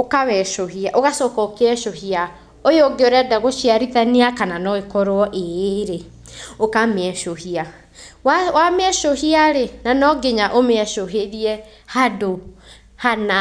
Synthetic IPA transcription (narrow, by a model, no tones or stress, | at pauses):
okawɛʃohiaʔoɣasɔːkɔokeɛʃohia | ojeoɡeoɾɛdaɣoʃiaɾiðaniakananɔekɔɾwɔʔeɾe | okameɛʃohia | wawamɛʃohiaɾenanɔɡeɲaʔomeɛʃoɦeɾiɛ | hado | hana